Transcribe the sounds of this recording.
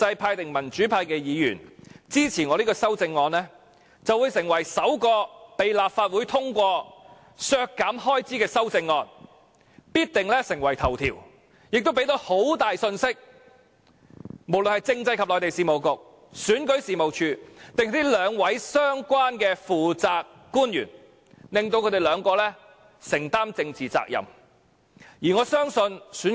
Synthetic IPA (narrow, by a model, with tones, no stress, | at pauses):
t͡sɐ˧jpʰaː˧jt̪ɪ˨ŋmɐ˨˩nt͡ʃyː˨˥pʰaː˧jkɛː˧jiː˨˧jyː˨˩nt͡siː˥t͡sʰiː˨˩nŋɔː˨˧liː˥kɔː˧sɐ˥wt͡sɪ˧ŋːɔː˧nlɛː˥ | t͡sɐ˨wu˨˧jsɪ˨˩ŋwɐ˨˩jsɐ˨˥wkɔː˧pe˨jlaː˨p̚faː˧t̚wuː˨˥jt̪ʰʊ˥ŋkʷɔː˧ | sœː˧kːaː˨˥mhɔː˥jt͡siː˨˥kɛː˧sɐ˥wt͡sɪ˧ŋːɔː˧n | piː˥t̚t̪ɪ˨ŋlɛː˥sɪ˨˩ŋwɐ˨˩jt̪ʰɐ˨˩wt̪ʰḭː˨˩w | jɪ˨k̚t̪o˥pe˨˥jt̪o˨˥ho˨˥wt̪aː˨jsɵ˧nsɪ˥k̚ | mo˨˩wlɵ˨nhɐ˨jt͡sɪ˧ŋt͡sɐ˧jkʰɐ˨p̚lɔː˨jt̪e˨jsiː˨mo˨˩wkʊ˨k̚ | syː˨˥nkɵ˨˥ɥsiː˨˩mo˨wt͡ʃʰyː˧t̪ɪ˨ŋh̪ʰt̪i˥lœː˨˧ŋwɐ˨˥jsœː˥ŋkʷwaː˥nkɛː˧fuː˨˩t͡saː˨kːuː˥njy̰ː˨˩n | lɪ˨ŋt̪o˧wkʰɵ˧˥ɾe˨jlœː˨˧ŋkɔː˧lɛː˥ | sɪ˨˩ŋt̪aː˥mt͡sɪ˧ŋt͡siː˨t͡sa̰ː˧k̚jɐ̰˨˩m | jiː˨˩ŋɔː˨˧sœː˥ŋsɵ˧nsyː˨˥n